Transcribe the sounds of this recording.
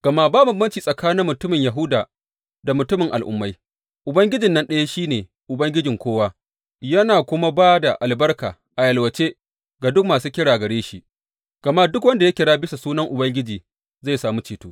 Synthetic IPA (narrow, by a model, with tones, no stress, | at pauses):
ɡ̥ɐ˨ma˦baː˦bʊ˨mbɐ˦nt͡ʃiː˨sʼɐ˨kaː˦nɪ˦mːʊ˨tʊ˦mɪ˨ɲja˨ɦʊ˦daː˨ | da˨mʊ˨tʊ˦mɪ˨ŋʔa̰˨lʔʊ̰˦mːa˦j | ʔʊ˨bɐ˦ŋɡʲɪ˦d͡ʒɪ˨nːɐ˦nɗɐ˦ja˦ʃiː˦neː˨ | ʔʊ˨bɐ˦ŋɡʲɪ˦d͡ʒɪ˨ŋkʷoː˦waː˦ | jɐ˦naː˨kʷʊ˦ma˦baː˦da˨ʔa˨lbɐ˦rka̰ː˨ | ʔa˨jɐ˨lwɐ˨t͡ʃe˦ | ɡa˨dʊ˦k̚maː˨suː˦kʲɪ˦ɽaː˨ɡɐ˨ɽeː˦ʃi˦˨ʔ | ɡ̥ɐ˨ma˦dʊ˦kwɐ˦nda˨ja˦kʲɪ˨ɽaː˦bɪ˦sa˨suː˦nɐ˦ŋʔʊ˨bɐ˦ŋɡʲɪ˦d͡ʒiː˨ | za˦˨jsaː˨muː˦t͡ʃeː˨tuː˦